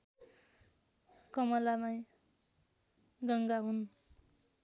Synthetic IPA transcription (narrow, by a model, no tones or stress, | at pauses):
kʌmʌlamaj | ɡʌŋɡaɦun